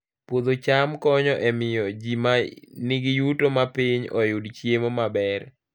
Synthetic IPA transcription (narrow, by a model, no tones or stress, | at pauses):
pwod̪ot͡ʃamkɔɲɔʔɛmɪjɔd͡ʒimanɪɡɪjutomapiɲɔjʊdt͡ʃjemomabɛr